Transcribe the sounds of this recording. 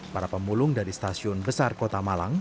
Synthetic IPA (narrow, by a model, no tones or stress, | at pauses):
paɾapəmulʊŋdaɾist̪asiʊnbəsarkot̪amalaŋ